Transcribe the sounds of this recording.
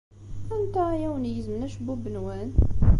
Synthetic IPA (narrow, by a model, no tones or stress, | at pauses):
ænt̪æjæwənjəzmnæʃbubənwæn